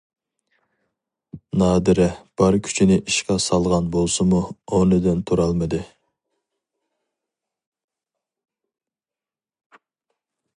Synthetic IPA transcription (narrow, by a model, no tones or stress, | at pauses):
nɑːd̪ɪɾɛb̥ɑɾkʲʰy̥t͡ʃʰinɪʔiʃkɑsɑlˠʁɑnbolˠsɨmuonɪd̪ɪnt̪ʰuɾɑlˠmɨd̪ɪ